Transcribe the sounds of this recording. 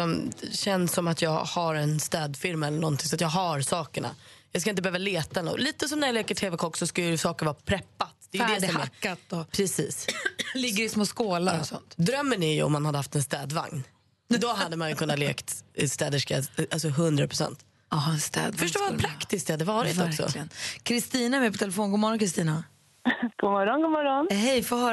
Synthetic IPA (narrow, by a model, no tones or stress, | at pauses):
sɔmɕɛnsːɔmat̪jɑːɡhaɾɛnst̪ɛːd̪fɪɾmaɛlːəɳɔnt̪ʰɪŋsɔat̪jɑːɡɦaɾsɑːkəɳa̰jɑːskaɪnt̪əbɛøːvaleːt̪aɛlɔ̰liːt̪əsɔmnæɾjaleːkəʈʰeːvɛkʰɔkːsɔskajsɑːkəɾvɑːpʰɾɛpːat̪d̪̥ɛjʏd̪ɛsɔmkːat̪ɔpʰɾɛsiːslɪɡːəɾɪsmoːskoːlaɾɔsɔ̰nt̪d̪ɾœmːənæɾjʉ̰ɔ̰mːanhad̪əhaft̪ɛnst̪ɛːd̪va̰ŋn | d̪ɔɦad̪ːəmanjɵkʰɵnːat̪lḛːkt̪st̪ɛːd̪əʂka̰alsɔɦɵnd̪ɾapʰɾʊsɛ̰nt̪ | ɑɛnst̪ɛ̰ːd̪fœʂʈoːɾvapʰɾakt̪ɪsk̚d̪ɛhad̪ːəvɑːɾɪtvɔɾksɔ̰lɪənkʰɾɪst̪iːnaɛmɛjpɔt̪ʰɛlɛfoːnɡʊːmɔɾɔnkʰɾɪst̪iːna | ɡ̥ʊmɔɾɔnɡʊmɔɾɔnhɛjfoːɦœːɾ